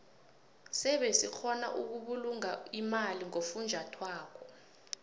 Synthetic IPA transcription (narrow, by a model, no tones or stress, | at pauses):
sɛɓɛsik͡xʰɔna̰ʔuk̬uɓuluŋaimaliŋofund͡ʒʱatʰwaːk̬ɔ